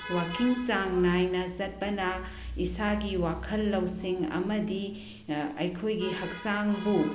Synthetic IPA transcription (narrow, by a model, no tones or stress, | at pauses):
wakiŋt͡ʃaŋnajnɐsɐt̚pɐnɐ | isaɡiwakʰɐlːɐwsiŋɐ̰mɐdi | ɐ̰jkʰojɡihɐk̚saŋbu